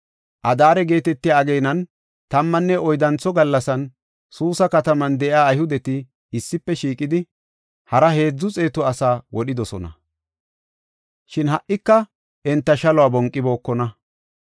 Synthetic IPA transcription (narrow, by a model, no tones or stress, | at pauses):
ʔɐd̪aːɾɛɡe̞ːt̪ɛt̪ːɪjaɐɡejnɐn | t̪ɐmːɐnːɛʔɔjd̪ɐnt͡sːɔɡɐlːɐsɐn | suːsɐkɐt̪ɐmɐnd̪ɛʔaːjhʊd̪ɛt̪ɪ | ɪsːɪpːɛʃiːkʼɪd̪ɪ | hɐɾɐhe̞ːd͡zːʊt͡sʼe̞ːt̪ɔɐsaːwɔɗɪd̪ɔsɔnɐ̰ | ʃɪnɦɐʔːɪkːɐ | ʔɛnt̪ːɐʃɐlɔwaːbɔŋkʼːɪbo̞ːkːɔnɐ